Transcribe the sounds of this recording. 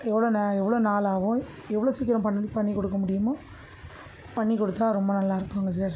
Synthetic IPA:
ɛʋːɐɭoːnɛʋːɐɭoːnaːlaːʋʊ̃ | ɛʋːɐɭoːsiːkːɪɾɐ̃pɐnːpɐɳːikɔɽɯkːɐmʊɽɪjɯmaː | pɐɳːikɔɽɯt̪ːaːɾɔmbɐnɐlːaːɪɾɯkːaːŋɡɐs̬aːɾ

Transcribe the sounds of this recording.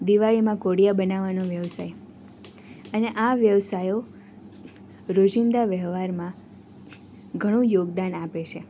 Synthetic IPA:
d̪iʋaɭimãkoɽijabənaʋanõʋjəʋsaj | əneʔaʋjəʋsajo | ɾod͡ʒind̪aʋjəʋʋaɾmã | ɡʱəɽ̃ũjoɡd̪anapet͡ʃʰe

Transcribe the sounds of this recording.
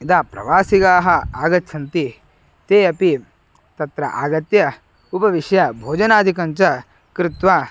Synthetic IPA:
id̪aːpɾɐ̰ʋaːsiɡaːɦɐaːɡɐt̪ʰʃʰɐnt̪i | t̪eːɐpi | t̪ɐt̪ɾɐ̰ʔa̰ːɡɐt̪jɐ | upɐʋiʃjɐbʱoːd͡ʒɐnaːd̪ʱikɐɲt͡ʃɐ | kɾɪt̪ʋaː

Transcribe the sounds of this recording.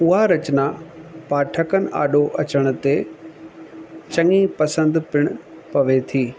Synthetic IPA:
ʊɦaɾɐt͡ɕnapaːʈʰəkənɪ̆ʔa̰ːɗoʔɐt͡ɕəɽ̃ʊ̆t̪e | t͡ɕɐ̃ŋipɐsə̃nd̪pɪɽ̃ʊpɐʋet̪ʰiː

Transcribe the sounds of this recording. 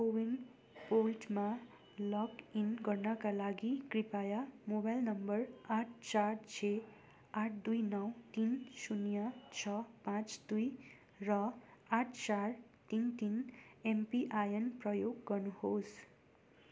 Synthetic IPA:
kowin | polʈma | lʌkinɡʌrnʌkalaɡikripajamobajlnʌmbʌraʈ̚ʰt͡sart͡sʰe | aʈʰd̪ujnʌwt̪insunjʌt͡sʰʌpãt͡sd̪uj | rʌaʈʰt͡sar | t̪int̪inempiʔajʌnprʌjoɡːʌrnuhos

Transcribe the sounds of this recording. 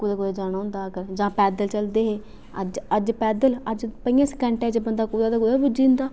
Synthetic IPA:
kuːd̪aːkʊːd̪aːd͡ʒaːɽ̃aːɦʊ̃ːnd̪aːəɡəɾd͡ʒãːpɛːd̪əlt͡ʃəld̪eːɦeː | əd͡ʒəd͡ʒpɛːd̪ələd͡ʒpəijãːsəkɛ̃ɳʈɛːd͡ʒbənd̪aːkuːd̪aːd̪aːkuːd̪aːbʊd͡ʒiːnd̪aː

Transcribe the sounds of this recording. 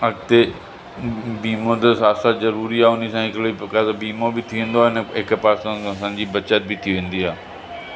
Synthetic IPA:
ɐɡt̪e | biːmot̪əsaːsazɐɾuːɾiaːʊnisãɦɪkɽekasbiːmobɪt̪ʰiʋẽːnd̪oaːɪnəɦɪkpaːsãsãːɲd͡ʑiːbɐt͡ɕət̪̚bɪt̪ʰiʋẽːn̆d̪iɦaː

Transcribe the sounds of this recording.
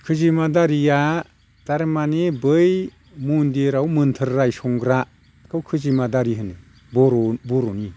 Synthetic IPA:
kʰɯzimadaɾija | d̥aɾmanebɯj | mundeɾawmɯntʰɯɾːajsɔŋɡɾa | kʰɯwkʰɯzimadaɾiɦɯnɯ | bɔɾbɔɾɔni

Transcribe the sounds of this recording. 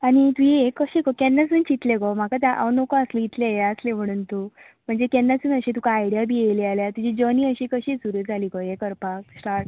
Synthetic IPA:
aɽ̃it̪ueekːəɕikɔkɛnːas̬uːnt͡ɕit̪lekɔm̤akat̪aʔa̰wnokaəsleit̪leɦeəslem̤əɽ̃uːnt̪u | m̤əɳd͡zekɛnːasuːnəɕĩt̪̬ukaːjɽijabielealjat̪ud͡ʑid͡ʑəniːəɕikəɕiːsuɾuːɾd͡zʱaliːkɔjekəɾpak̚sʈaɾʈ

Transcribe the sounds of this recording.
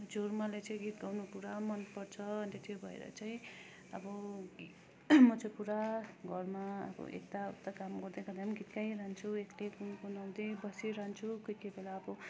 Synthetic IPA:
d͡zormalat͡saj̃ɡit̪ɡawnupuɾamʌnpʌrt͡sʰʌʌnt̪et̪ʰjobʱʌḛɾʌ̰t͡saĩ | ʌbʌɡi | mʌt͡sopuɾaɡʱʌrmaʌ̰bʌ̰ʔḛk̚t̪aṵt̪ːakamɡʌrd̪ekad̪amɡit̪kajɾant͡sʰueklekunkonʌnd̪ibʌsiɾant͡sʰukojkebʱelaːbʌ

